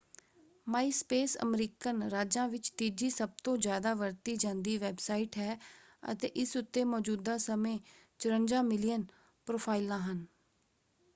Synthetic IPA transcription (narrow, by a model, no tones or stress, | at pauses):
maːiːspeːsə̰mɾiːkənɾaːd͡ʒãːʋɪt͡ʃt̪iːd͡ʒiːsəb̚t̪õːzjaːd̪aːʋəɾt̪iːd͡ʒãːnd̪iːʋɛːbsaːiʈɦɛː | ə̰t̪eːʔɪsʊt̪ːeːmɔːd͡ʒuːd̪aːsəmẽː | t͡ʃʊɾəɲd͡ʒãːmɪlijən | pɾoːpʰaːilãːɦən